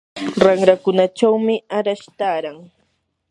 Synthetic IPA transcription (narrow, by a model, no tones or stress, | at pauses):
ɾaŋɾakʊnat͡ʃawmɪaɾaʃt̪aːɾaŋ